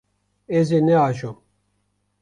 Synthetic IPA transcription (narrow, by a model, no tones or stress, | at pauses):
ezenɛaːʒom